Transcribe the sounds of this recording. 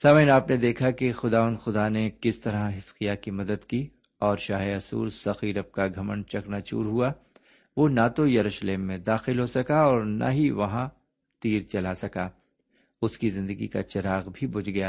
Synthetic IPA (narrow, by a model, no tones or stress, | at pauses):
saːmnaːpned̪eːkʰakexʊd̪aːʋə̃nd̪xʊd̪anekɪst̪ɐɾãɦɪsxijakimɐd̪əd̪ki | ɔːɾʃaːɦeɐsṵːɾsɐxiːɾɐp̚kaɡʱɐməɳt͡ʃɐknat͡ʃṵːɾɦua | ʋoːnaːt̪ojɐɾuːʃəleːmːẽd̪aːxɪlɦosɐkaɔːɾnʔa̰ɦiʋɐɦã | t̪iːɾt͡ʃɐlasɐkaː | ʊskizɪ̃nd̪əɡḭka̰t͡ʃɐɾaːɣbʱibʊd͡ʒɡɐjaː